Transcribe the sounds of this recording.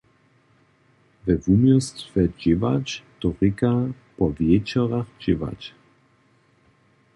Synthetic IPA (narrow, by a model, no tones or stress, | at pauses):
vɛvumjɔstfɛd͡ʒɪvat͡ʃt̪ɔʁɪka | pɔvjɛt͡ʃɔʁaxd͡ʒɪva̰t͡ʃ